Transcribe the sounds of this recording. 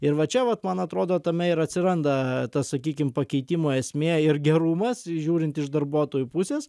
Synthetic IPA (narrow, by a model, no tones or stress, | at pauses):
ɪɾʋɐt͡ʃʲɛʋɐt̪mɐnɐt̪ɾoːd̪oːt̪ɐmʲɛɪɾɐt̪ʲsʲɪɾɐnd̪ɐt̪ɐssɐkʲiːkʲɪmpɐkʲɛɪt̪ʲimoːɛsʲmʲeːɪrɡʲɛɾumɐsʒʲuːɾʲɪnt̪ɪʒd̪ɐɾbuɔt̪oːjupʊsʲeːs